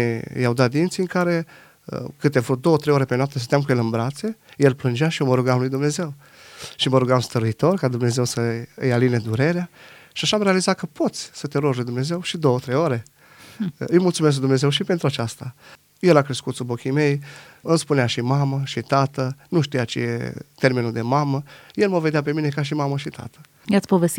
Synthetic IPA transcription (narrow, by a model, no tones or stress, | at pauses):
jawd̪at̪̚d̪int̪siɨŋkaɾe̞̰ | kɨt̪evɾut̪̚d̪o̞wət̪ɾejoɾe̞penoap̚t̪əsət̪jamkujelɨnbɾat̪se̞je̞lplɨnd͡ʒeaʃioməɾuɡamlujd̪umne̞ze̞w | ʃiməɾuɡamst̪əɾuit̪o̞rkad̪umne̞ze̞wsəɨjalined̪uɾe̞ɾea | ʃiaʃaːmɾealizat̪̚kəpo̞t̪sʲsət̪eɾoʒlujd̪umne̞ze̞wʃid̪o̞ət̪ɾe̞joɾe̞ | ɨjmult̪sumes̬d̪umne̞ze̞wʃipe̞nt̪ɾuat͡ʃast̪a | jelakɾe̞skut̪subo̞kʲime̞jɨmspuneaʃimaməʃit̪at̪ənuʃt̪ijat͡ʃḛjḛt̪e̞rminud̪e̞maməje̞lməve̞d̪eap̬e̞mine̞kaʃ̬imaməʃit̪ʰa̰t̪ə̥ | jat̪sʲpovest̪i